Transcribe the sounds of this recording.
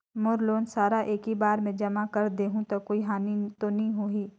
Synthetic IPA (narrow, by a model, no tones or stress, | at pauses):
mʊɾloːnsaːɾaʔeːkɦibaːɾmẽd͡ʒɐmakɐɾd̪eːɦũt̪okoːiɦaːnit̪onɐɦĩɦoiː